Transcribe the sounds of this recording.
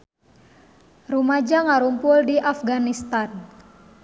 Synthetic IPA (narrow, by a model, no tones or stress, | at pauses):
rumad͡ʒaŋaɾumpʊldiʔafɡanist̪an